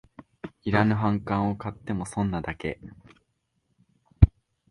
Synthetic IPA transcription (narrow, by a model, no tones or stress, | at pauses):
iɾanɯ̟ɦãŋkãɰ̃o̞kat̪ːe̞mo̞sõ̞nːad̪ake̞̰